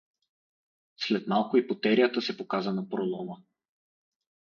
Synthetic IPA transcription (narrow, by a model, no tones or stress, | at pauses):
slɛt̪malˠkʊipot̪ɛɾijət̪əsɛpokazənɐpɾolˠɔmə